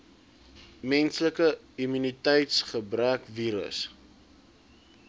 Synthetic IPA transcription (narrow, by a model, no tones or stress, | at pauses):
mɛnsləkə | imynitɛjtsχəbɾækviːɾə̰s